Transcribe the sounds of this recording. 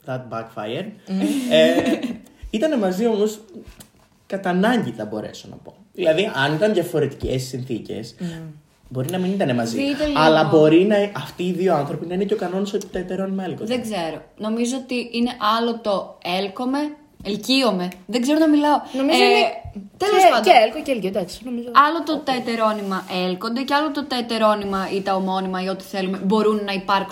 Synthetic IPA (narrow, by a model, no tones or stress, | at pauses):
ðɐt̪̚bɐkfɐ̰jeɾe | it̪ɐne̞mɐzio̞mo̞s | kɐt̪ɐnɐɲɟiθɐbo̞̰ɾe̞̰sonɐ̰po̞ðilɐðiʔɐnit̪ɐnðʝɐfo̞ɾe̞t̪i̥ce̞si̥sinθice̞̰s | bo̞ɾinɐminit̪ɐnemɐzit̪eɐlɐbo̞ɾinɐʔɐft̪iːðio̞ɐnθɾo̞pinɐine̞ceo̞kɐno̞nɐsopt̪ɐet̪eɾo̞nmɐelkoðeɡze̞ɾono̞mizoot̪iine̞ʔɐlo̞t̪o̞e̞lko̞me̞ | elcio̞me̞ðeɡze̞ɾonɐmilɐonomie | t̪elosɐd̪elkoceelciod̪ɐksinomizoɐlot̪ot̪ɐet̪e̞ɾo̞nimɐʔe̞lko̞nd̪e̞ceɐlot̪ot̪ɐet̪e̞ɾo̞nimɐit̪ɐomo̞nimɐio̞t̪i̥θe̞lume̞bo̞ɾunːɐipɐɾk